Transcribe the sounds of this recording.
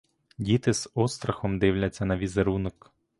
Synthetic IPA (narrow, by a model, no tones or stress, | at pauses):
dʲit̪ɪzɔst̪ɾɐxɔmd̪ɪwlʲɐt͡sʲːɐnɐʋʲizeɾunɔk